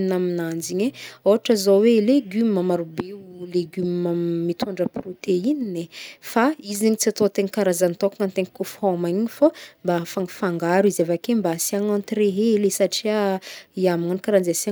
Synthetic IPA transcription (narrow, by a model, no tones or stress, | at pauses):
naminand͡ʒiɲeoaʈ͡ʂəzoweleɡymimamaɾubeuleɡymmamit̪ʰaɳɖ͡ʐəprot̪eininefaiziɲit͡siat̪ot̪eŋkaɾazant̪okaŋant̪eŋikofɔmaiɲifombafaŋɡfaŋɡaɾizavakembasiaŋãnt̪iɾeɦelesaʈ͡ʂiaiamaŋanikaɾand͡zesa